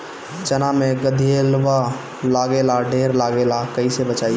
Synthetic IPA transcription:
t͡ʃənameɡəd̪ʱielʋa | laɡelaɖʱeɾlaɡelakəisebət͡ʃaj

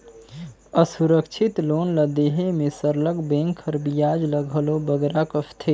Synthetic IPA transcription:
əsuɾəkt͡ʃʰit̪lonləd̪eɦemesəɾləɡbẽŋkʰəɾbijad͡ʒləɡʱəlobəɡɾakəst̪ʰe

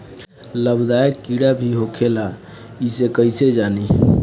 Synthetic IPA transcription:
ləbd̪aekːiɽabʱiɦokʰela | isekəised͡ʒani

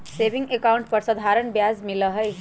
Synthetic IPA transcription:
sebiŋɡekauɳʈ̚pəɾsəd̪ʱaɾəɳbjazmiləɦəj

